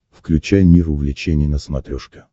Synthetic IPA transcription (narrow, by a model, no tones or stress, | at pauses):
fklʲʉt͡ɕæjmʲifʊvlʲɪt͡ɕenʲɪjənəsmɐt̪ɾʲoʂkʲɪ